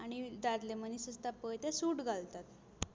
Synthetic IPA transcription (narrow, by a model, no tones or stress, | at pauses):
aɽ̃id̪ad̪lemənisəst̪apəjt̪esuʈɡʱalt̪at̪